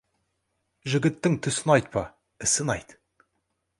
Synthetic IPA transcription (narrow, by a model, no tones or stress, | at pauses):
ʒɪɡʲɪt̪ːɪŋt̪ʰʏsɪnɑjt̪̚pʰɑ | ɪsɪnɑjt̪